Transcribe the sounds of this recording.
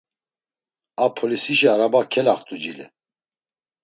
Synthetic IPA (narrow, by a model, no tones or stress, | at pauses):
apʰɔlisiʃiaɾabakʰɛlaχt̪ʼud͡ʒilɛ̰